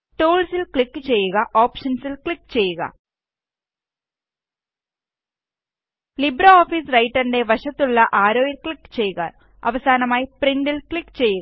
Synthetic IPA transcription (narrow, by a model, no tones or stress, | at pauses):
ʈuːɭsilkɭikːɨt͡ɕe̞jːuɣɐʔo̞ːpʂɐnsilkɭikːɨt͡ɕe̞jːuɣɐ̰ | libɾɐoːfiːsrɐjʈːɐnde̞ʋɐɕɐt̪ːuɭːɐʔaːɾo̞ːjilkɭikːɨ̥t͡ɕe̞jːuɣɐ̰ | ɐ̰ʋɐsaːnɐmaːjipriɳɖilkɭikːt͡ɕe̞jːuɣ